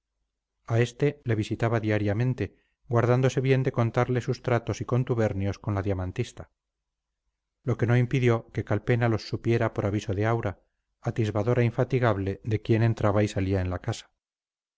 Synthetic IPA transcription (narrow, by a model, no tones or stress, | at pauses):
ae̞st̪e̞le̞β̞isit̪aβaðiaɾjamẽ̞nt̪e̞ | ɡwaɾðand̪o̞se̞βje̞nd̪e̞ko̞nt̪aɾle̞sust̪ɾat̪o̞siko̞nt̪uβe̞ɾnjo̞sko̞nlaðjamãnt̪ist̪a | lo̞ke̞no̞impiðjo̞ke̞kalpe̞nalo̞sːupje̞ɾapo̞ɾaβiso̞ðeawɾaː | t̪izβaðo̞ɾaiɱfat̪iɣaβle̞ðe̞kje̞ne̞nt̪ɾaβaisaliaenlakasḁ